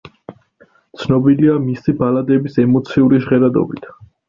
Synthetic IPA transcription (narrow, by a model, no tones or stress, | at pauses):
t̪sʰnɔbiliamisibalad̪ɛbisɛmɔt̪sʰiuɾiʒʁɛɾad̪ɔ̰bit̪ʰ